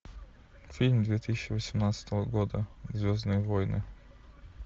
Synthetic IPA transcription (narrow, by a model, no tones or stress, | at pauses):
fʲilʲmd̪vʲet̪ɨsʲɪɕːɪvəsʲɪmnat̪sə̥t̪əvəɡod̪əzvʲoznɨjvojnɨ̰